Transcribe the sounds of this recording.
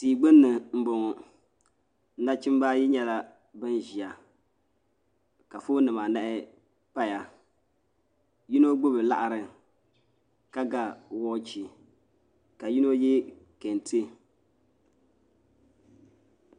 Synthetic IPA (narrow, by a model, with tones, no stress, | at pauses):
tiː˨ɡ͡bɨ˦nːɨ˨m̩˨bo˨ŋɔ˨ | n̩˦na˦t͡ʃɪ˦m˦ba˦jɪ˦ɲɛ˦la˦ | bɨ˦nʒi˨a˨ | ka˨fʊ˦nɨ˨ma˨nɛ˦ʔɪ˦ | pa˦ja˨ | ji˦no˦ɡ͡bʊ˦bɨ˨la̰˦ʔa˨ɾɨ˨ | ka˦ɡa˦wɔː˦t͡ʃi˨ | ka˨ji˦no˦jɪ˦ | ke˨ntʰɨ˦